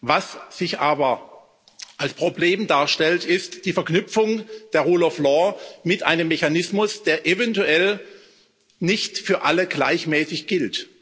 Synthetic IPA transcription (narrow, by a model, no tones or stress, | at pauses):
vasz̥ɪçʔaːbɐ | ʔalspʁ̥obleːmdaːɐʃtɛltɪstd̥iːfɛɐknʏfʊŋd̥eːɐʁuːlɔflɔːɐmɪtʔa̰ɪnəmːeçanɪsmʊsd̥eːɐʔevɛntuɛl | nɪçtfyːɐʔaləɡ̥laɪçmɛːsɪçɡ̥ɪlt